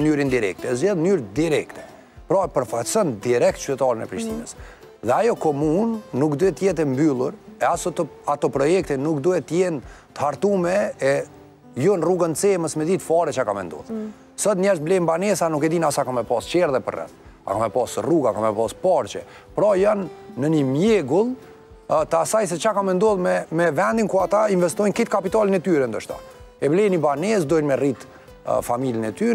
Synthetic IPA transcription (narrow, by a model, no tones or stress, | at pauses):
nyɾind̪iɾɛ̰k̚t̪ɛzjɛðmnyɾɛd̪iɾɛkt̪ɛ̥ | pɾɔɛpəɾfasɔnd̪iɾɛk̚t̪t͡ʃyt̪ɛt̪ɑɾənɛ̰pɾiʃt̪inəs | ðɛajɔkɔmunːukd̪uɛt̪əjɛt̪̬ɛmbylˠuɾɛasɔt̪at̪ɔpɾɔjɛk̚t̪ɛnuk̚d̪uɛt̪əjɛnt̪əhaɾt̪umɛː | jɔnruɡənt͡sɛməsmɛd̪it̪fɑɾɛt͡ʃakamɛ̰nd̪ɔ̰ð | sɔt̪nɲɛʃt̪̚blɛjmbanɛsanukɛd̪inasakamɛpɑst͡ʃɛɾðɛpə̰rɛ̰θa̰kamɛpɑsruɡakamɛpɑspɑɾt͡ʃɛ̰ | pɾɔjanːənimjɛɡulˠ | t̪əasajs̬ɛt͡ʃakamɛnd̪ɔðmɛmɛvɛnd̪inkuɾat̪ainvɛst̪ɔjnkit̪kapit̪alənɛt̪yɾɛnd̪əʃt̪a̰ɛblɛjnibanɛs̬d̪ɔjnmɛrit̪ | familənɛt̪y